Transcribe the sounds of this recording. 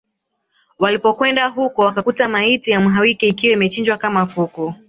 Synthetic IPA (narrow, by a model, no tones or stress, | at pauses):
walipɔkwɛndaɦukɔwakakutamaitijamuɦawikɛikiwaimɛt͡ʃind͡ʒwakamafuku